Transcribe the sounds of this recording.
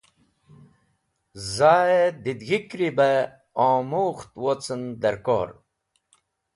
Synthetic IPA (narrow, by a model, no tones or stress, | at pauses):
zaːed̪id̪ɣikɾibe | õːmuxt̪wot͡sənd̪eɾko̰ːɾ